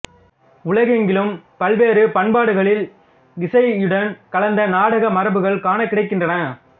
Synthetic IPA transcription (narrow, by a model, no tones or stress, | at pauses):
ʊlɐɣɐɛŋɡɪlɯmpɐlʋeːɾɯpɐɳbaːɽɯɣɐɭɪl | ɪsɐɪɪɽɐnkɐlɐnd̪ɐnaːɽɐɣɐmɐɾɐbɯɣɐɭkaːnɐkːɪɽɐɪkːɪndrɐnɐ